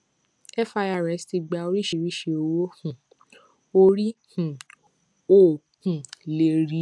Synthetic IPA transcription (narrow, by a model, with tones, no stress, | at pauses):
ɛ˦fa˧ja˨ɾɛ˨˦sti˧ɡ͡ba˧o˧ɾi˦ʃi˦˧˨ɾi˦ʃe˧o˧wo˦hũ˨ | o˦˧ɾi˦h̩˨ | o˦˨ | hũ˨le˨ɾi˨˦